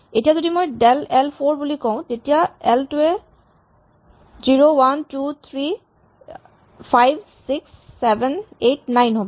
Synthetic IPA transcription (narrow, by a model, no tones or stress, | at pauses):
etijazodimojɖɛlɛlpʰoɹbulikɔʊ̃tetijaɛltue | ziɹowantut̪ʰɹi | pʰajbsiksːɛbɛnetnajnɦobɔ